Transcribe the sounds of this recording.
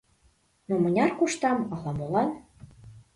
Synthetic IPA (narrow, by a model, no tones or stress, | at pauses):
nomə̆nʲɑrkuʃt̪ɑmɑlɑmolɑn